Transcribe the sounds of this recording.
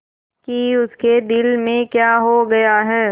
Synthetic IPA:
kiʊsked̪ɪlmẽkjaːɦoɡɐjaɦɛː

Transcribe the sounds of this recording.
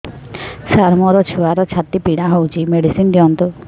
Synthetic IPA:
saɾmɔɾɔt͡ʃʰuaɾɔt͡ʃʰat̪ːipiɽ̃aɦowt͡ʃʰimeɽisind̪iɔnt̪u

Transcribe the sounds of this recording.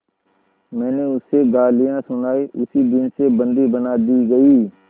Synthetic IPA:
mɛ̃ːneːʊseːɡaːlɪjãːsʊnaːiːʔʊsiːd̪ɪnseːbənd̪iːbənaːd̪iːɡəiː

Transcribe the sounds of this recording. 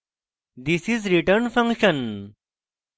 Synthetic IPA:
d̪isizɾiʈəɾnfãŋkʃə̃n

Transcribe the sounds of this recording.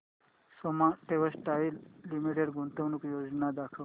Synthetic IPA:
somaʈeʋəsʈailːimiʈeɖɡʱunt̪əʋnukjod͡ʒnad̪akʰəʋ

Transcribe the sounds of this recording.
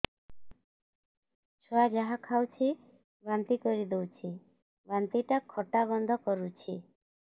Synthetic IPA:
t͡ʃʰoad͡ʒaɦakʰawt͡ʃʰi | bant̪ikɔɾid̪ewt͡ʃʰi | bant̪iʈakʰːɔʈaβɔnd̪ʱɔkɔɾut͡ʃʰi

